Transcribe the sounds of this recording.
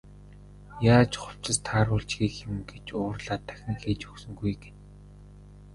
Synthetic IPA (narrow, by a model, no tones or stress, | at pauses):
jaːt͡ɕχʊ̥w̥t͡ɕɪ̆st̪ʰaːɾʊːɮt͡ɕɡiːkxɪ̆mɡet͡ɕʊːrɮaːt̪ʰæ̥xʲnĭkeːt͡ɕɵksɵ̆ŋɡujɡe̥n